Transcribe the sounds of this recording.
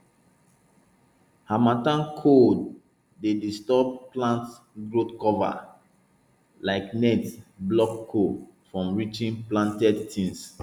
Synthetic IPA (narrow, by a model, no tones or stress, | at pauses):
hamatãnkʰod | dedistɔb̚plãnt | ɡɹotkɔva̰ | laɪknɛtsblɔkʰːofɹɔ̃mɹit͡ʃĩnplãntɛdtʰĩns